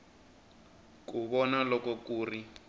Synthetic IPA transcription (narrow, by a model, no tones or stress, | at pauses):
kuβɔnalɔkɔkuːri